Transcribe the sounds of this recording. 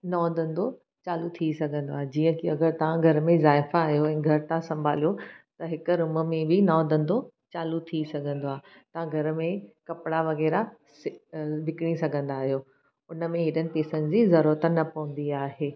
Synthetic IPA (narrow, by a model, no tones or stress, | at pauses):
nɔːd̪ɐ̃nd̪o | t͡ɕaːlut̪ʰisɐɡʱə̃nd̪oaːɦed͡ʑiːə̃kiɐɡəɾt̪ɐʋãɡʱɐɾmẽzaːɪfaːɦijoɛ̃ːɡʱɐɾt̪ãsɐ̃mbʱaːlijot̪ɐɦɪkɾʊməmẽbɪnɔːd̪ə̃nd̪o | t͡ɕaːlut̪ʰisɐɡʱə̃nd̪oaːɦe | t̪ɐʋ̤ãɡʱɐɾmẽkɐpɪɽaʋɐɣɛːɾa | sɪʋɪkɽ̃isɐɡʱə̃nd̪aːɦijoː | ʊnə̆mẽɦɪɗənɪ̆peːsənɪ̆d͡ʑiːzɐɾuɾət̪ənɐpɐʋə̃nd̪iaːɦeː